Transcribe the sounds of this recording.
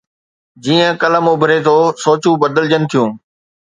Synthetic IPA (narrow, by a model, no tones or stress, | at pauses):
d͡ʑiːə̃kɐləmʊbʱɪɾet̪ʰosoːt͡ɕũbɐd̪əld͡ʑənɪ̆t̪ʰijũː